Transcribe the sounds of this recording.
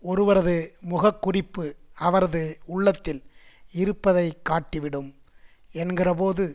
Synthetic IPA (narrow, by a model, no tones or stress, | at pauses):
ɔɾɯʋɐɾɐðɯmʊɣɐkːʊrɪpːɯɐʋɐɾɐðɯʊɭːɐt̪ːɪlɪɾɯpːɐðɐɪkːaːʈːɪʋɪɽɯm | ɛnɡɪrɐpoːðɯ